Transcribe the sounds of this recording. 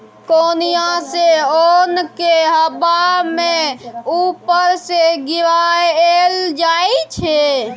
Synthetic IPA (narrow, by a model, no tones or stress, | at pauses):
konijaseonkeɦəbameupəɾseɡiʋaeld͡ʒait͡ʃʰe